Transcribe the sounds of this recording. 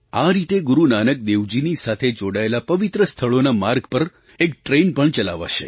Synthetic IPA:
aɾit̪eɡuɾunanək̚d̪eʋd͡ʒinisat̪ʰed͡ʒoɽaelapəʋit̪ɾəst̪ʰəɭonamaɾɡpəɾ | ekʈɾenpəɳt͡ʃəla̰ʋa̰ʃḛ

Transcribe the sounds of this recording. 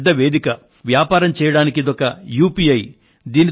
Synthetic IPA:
d̪ːɐʋe̞ːd̪ikɐ | ʋjaːpaːɾɐmt͡ʃɛːjɐɽaːnikid̪ɔkɐjuːpiːɐj | d̪iːni

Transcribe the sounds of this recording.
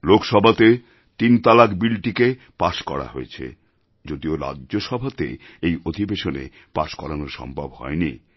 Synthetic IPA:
lokʃɔbʱat̪e | t̪int̪alakbilʈike | paʃkɔ̰ɾa̰ɦoet͡ɕʰḛ | d͡ʑod̪ioɾa̰dʑoʃɔbʱat̪ḛ | ejod̪ʱibeʃonḛ | paʃkɔɾanoɾʃɔ̰mbʱa̰bhɔ̰eni

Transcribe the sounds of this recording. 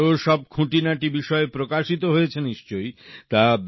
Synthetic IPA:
oʃɔb̚kʰũʈinaʈibiʃɔepɾokaʃit̪oɦojet͡ɕʰeniʃt͡ɕojt̪ab

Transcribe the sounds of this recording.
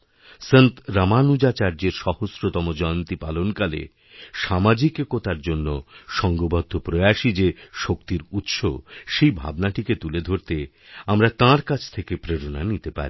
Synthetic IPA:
sent̪ɾamanud͡ʑat͡ɕaɾd͡ʑeɾʃɔhosɾot̪ɔmod͡ʑɔeont̪ipalonkalḛ | ʃamad͡ʑikekot̪aɾd͡ʑonːoʃɔŋɡobɔd̪ʱːopɾojaʃid͡ʑeʃokt̪iɾut̪ʃoʃejbʱa̰bnaʈiket̪uled̪ʱoɾt̪e | amɾat̪ãɾkat͡ɕʰt̪ʰekepɾeɾonanit̪epa̰ɾi

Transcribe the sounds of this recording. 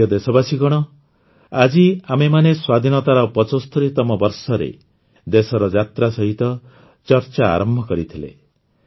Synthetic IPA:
ɔd̪esɔbasiɡɔɽ̃ɔ | ad͡ʒiamemaneswad̪ʱinɔt̪aɾɔpɔt͡ʃɔst̪ʰuɾit̪ɔmɔbɔɾsɔɾḛ | d̪esɔɾɔd͡ʒat̪ɾasɔɦit̪ɔ | t͡ʃɔɾt͡ʃaa̰ɾɔmbʱɔkɔɾit̪ʰilḛ

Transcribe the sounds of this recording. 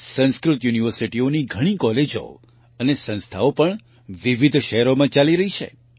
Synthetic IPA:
sə̃ñskɾʊt̪juniʋəɾsiʈioniɡʱəɽ̃ĩkɔled͡ʒo̰ | ənesə̃nst̪ʰa̰opəɳ | ʋiʋid̪ʱʃəɦɛɾomãt͡ʃaliɾəɦit͡ʃʰḛ

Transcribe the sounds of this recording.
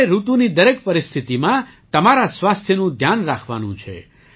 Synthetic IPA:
eɾut̪ũnid̪əɾekpəɾist̪ʰit̪imã | t̪əmaɾasʋast̪ʰjənũd̪ʱjanɾakʰʋa̰nṵ̃t͡ʃʰḛ

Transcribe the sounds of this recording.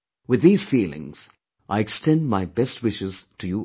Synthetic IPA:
wɨðːiːz̥fiːlˠɪ̰̃ŋz̥ | ʔaɪɛkstɛ̃ndmaɪbɛst̚wɪʃɪz̥tʰɨju

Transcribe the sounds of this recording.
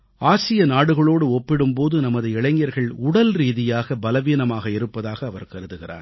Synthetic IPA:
aːsɪjɐnaːɽɯɣɐɭoːɽɯɔpːɪɽɯmpoːðɯnɐmɐðɯɪɭɐŋjɐɾɣɐɭʊɽɐlɾiːðɪjaːɣɐbɐlɐʋiːnɐmaːɣɐɪɾɯpːɐðaːɣɐːʋɐɾkɐɾɯðɯɣɪra̰ːn

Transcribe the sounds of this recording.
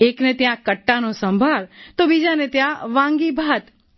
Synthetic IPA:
eknet̪jãkəʈːanosə̃mbʱalt̪obid͡ʒanet̪jãʋãŋɡibʱat̪

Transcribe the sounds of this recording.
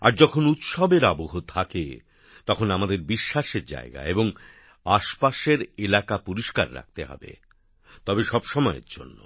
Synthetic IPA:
a̰ɾd͡ʑɔkʰonut̪ʃɔbeɾaboɦot̪ʰakḛ | t̪ɔkʰonamad̪eɾbiʃːaʃeɾd͡ʑa̰eɡa̰eboŋ | aʃpaʃeɾelakapuɾiʃkaɾːa̰k̚t̪eɦɔ̰bḛ | t̪ɔbeʃɔbʃɔmɔeḛɾd͡ʑo̰nːo̰

